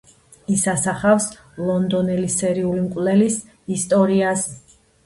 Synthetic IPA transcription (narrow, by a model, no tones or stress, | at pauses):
isasaχafs | lˠɔnd̪ɔnɛlisɛɾiulimkʼwlɛlis | ist̪ʼɔɾias